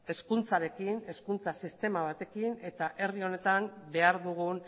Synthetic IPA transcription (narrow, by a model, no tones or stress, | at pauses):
e̞skunt͡saɾe̞kine̞skunt͡sasist̪e̞maβ̞at̪e̞kine̞t̪aʔe̞rio̞ne̞t̪ambe̞aɾðuɣun